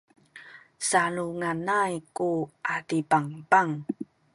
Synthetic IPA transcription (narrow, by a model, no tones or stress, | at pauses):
saluŋanajkuʔadibaŋpaŋ